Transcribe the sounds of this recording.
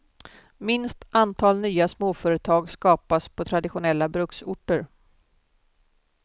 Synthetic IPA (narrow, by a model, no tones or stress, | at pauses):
mɪnst̪ant̪ʰɑːlnyːasmoːfœːɾət̪ʰɑːɡskɑːpaspʰɔt̪ʰɾad̪ɪɧʊnɛlːabɾɵksʊʈːəɾ